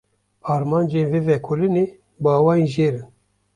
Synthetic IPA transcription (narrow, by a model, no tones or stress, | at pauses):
aɾmand͡ʒenvevɛkʰoline | bawaiʒeɾɨn